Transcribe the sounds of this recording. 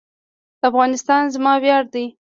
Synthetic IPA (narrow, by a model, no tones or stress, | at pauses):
d̪̥əafɣɑnɪst̪ɑnzmɑwjɑɾd̪ij